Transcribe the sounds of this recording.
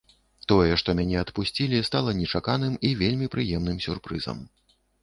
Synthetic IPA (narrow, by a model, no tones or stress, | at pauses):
t̪ɔjɛʂt̪ɔmʲanʲɛɐt̪pusʲt͡sʲilʲist̪alˠɐnʲɛt͡ʂakan̪ɨmivʲelʲmʲipɾɨjɛmn̪ɨmsʲurpɾɨzɐ̰m